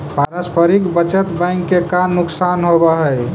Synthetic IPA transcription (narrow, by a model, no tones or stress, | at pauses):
paɾaspʰəɾikbət͡ʃət̪bãŋkːekanːuksanɦobəɦəj